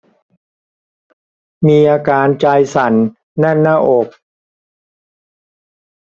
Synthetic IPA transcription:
miː˧ʔaː˧kaː˧nt͡ɕa˧jsa˩˦nː | a˥˩˨nːaː˥˩ʔo˨˩k̚

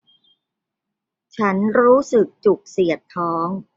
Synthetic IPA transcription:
t͡ɕʰa˦˥nɾuː˦˥sɯ˨˩k̚t͡ɕu˨˩k̚si˨˩ət̪ʰːɔː˦˥ŋ

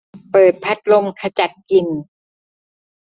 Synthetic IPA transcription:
pɤː˨˩t̪̚pʰa˦˥t̪̚lo˧mkʰa˧t͡ɕa˨˩t̪̚ki˨˩n

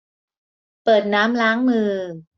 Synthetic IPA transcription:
pɤː˨˩t̪̚naː˦˥mlaː˦˥ŋmɯː˧

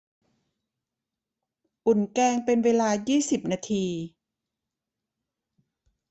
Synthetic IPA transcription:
ʔu˨˩nkɛː˧ŋpe˧nweː˧laː˧jiː˥˩si˨˩p̚naː˧t̪ʰiː˧

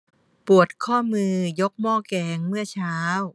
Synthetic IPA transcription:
pu˨˩ət̪̚kʰɔː˥˩mɯː˧jo˦˥k̚mɔː˥˩kɛː˧ŋmɯ˥˩ɐt͡ɕʰaː˦˥w

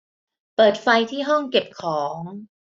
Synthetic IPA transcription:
pɤː˨˩t̪̚fa˧jt̪ʰiː˥˩ɦɔ˥˩ŋke˨˩p̚kʰɔː˩˦ŋ

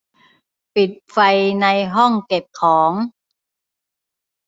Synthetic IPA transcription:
pi˨˩t̪̚fa˧jna˧jɦɔ˥˩ŋke˨˩p̚kʰɔː˩˦ŋ

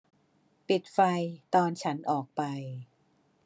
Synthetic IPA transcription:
pi˨˩t̪̚fa˧jt̪ɔː˧nt͡ɕʰa˦˥nʔɔː˨˩k̚pa˧j

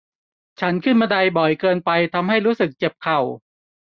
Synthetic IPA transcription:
t͡ɕʰa˦˥nkʰɯ˥˩nmaː˧da˧jbɔ˨˩jkɤː˧npa˧jt̪ʰa˧mɦa˥˩jɾuː˦˥sɯ˨˩k̚t͡ɕe˨˩p̚kʰa˨˩w

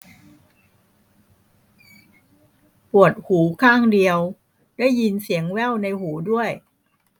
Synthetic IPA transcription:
pu˨˩ət̪̚huː˩˦kʰaː˥˩ŋdi˧əw | dɛ˥˩jːi˧nsi˩˦əŋwɛː˥˩wna˧jhuː˩˦du˥˩əj

